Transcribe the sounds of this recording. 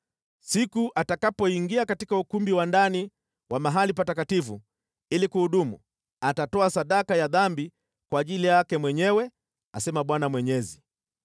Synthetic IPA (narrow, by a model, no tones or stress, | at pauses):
sikuʔatakapɔiŋɡiakatikaukumbiwandani | wamaɦalipatakatifṵ | ilikuhuɗumṵ | atatɔasaɗakajaðambi | kwaːʄilijakɛmwɛɲɛwɛ | a̰sɛmaɓwanamwɛɲɛzi